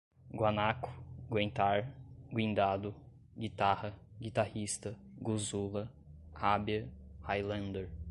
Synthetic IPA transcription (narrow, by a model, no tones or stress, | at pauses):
ɡwanakʊ̥ɡwẽñt̪aɾɡwĩnd̪ad̪ʊ | ɡit̪ahɐɡit̪ahist̪ɐɡuzulɐ | habjɐhajlɐ̃nd̪eɾ